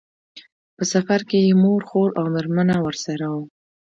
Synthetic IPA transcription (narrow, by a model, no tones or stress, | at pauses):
pəsafaɾkejemoɾxoɾawmɪɾmanawəɾsaɾawu